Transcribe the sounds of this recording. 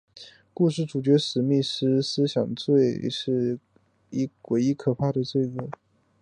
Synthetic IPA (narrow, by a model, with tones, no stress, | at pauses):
ku˥˧ʂ̬ɻ̩˥˩ʈ͡ʂu˨˩t͡ɕɥɛ˧˥ʂɻ̩˧˥mi˥˩ʂɻ̩˥sɹ̩˥ɕjɑ˨˩ŋt͡swe˥˧ɪʂɻ̩˥˩ | i˥kwe˧˥ɪi˥kʰɤ˨˩pʰa˥˩ɾə˩t͡swe˥˩ɪkɤ˥˩